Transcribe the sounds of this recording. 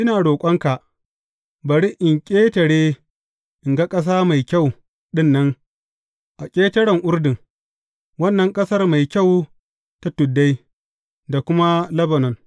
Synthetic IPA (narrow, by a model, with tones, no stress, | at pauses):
ʔɪ˦naː˨ɽoː˨kʷʼɐ˦ŋka˨ʔ | bɐ˨ɽi˦ʔɪ˨ŋkʲʼeː˦tɐ˨ɽeː˦ | ʔɪ˨ŋɡa˦kʼɐ˦s̬aː˦ma˨jkʲa˦˨w | ɗɪ˦˨nːɐ˦ŋ | ʔa˨kʲʼeː˦tɐ˦ɽɐ˨ŋʔʊ˦rdɪ˨ŋ | wɐ˦nːɐ˨ŋkʼɐ˦sɐ˦rma˨jkʲa˦˨w | ta˦tʊ˨dːa˦j | da˨kʷʊ˦ma˦lɐ˦bɐ˨nɔ˨n